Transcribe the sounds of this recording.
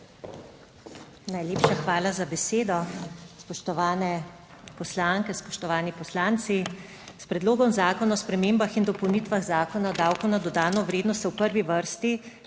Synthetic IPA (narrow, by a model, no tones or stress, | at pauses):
najleːpʃaxʋaːlazabɛseːd̪ɔspɔʃt̪ɔʋaːnɛ | pɔslaŋkɛspɔʃt̪ɔʋaːnipɔslaːnt̪si | spɾɛd̪loːɡɔmzaːkɔnaɔspɾɛmeːmbaxind̪ɔpɔwnit̪ʋaɣzaːkɔnad̪awkɔnad̪ɔd̪aːnɔʋɾeːd̪nɔst̪wpəɾʋiʋəɾst̪i